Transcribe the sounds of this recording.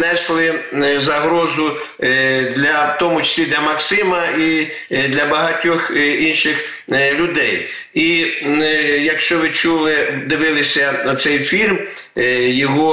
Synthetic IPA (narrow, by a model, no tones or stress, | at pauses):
nɛslˠɪzɐɦɾɔzʊ | d̪lʲɐt̪ɔmʊt͡ʃɐ̥sʲlʲid̪lʲɐmɐksɪmɐi | d̪lʲɐbɐɦɐtʲɔxinʃɪx | lʲʊd̪ɛj | i | jɐkʃt͡ʃɔʋɪt͡ʃulˠɪd̪ɪʋɪlˠɪsʲɐʊt̪sɛjfʲilʲm | jɔɦɔ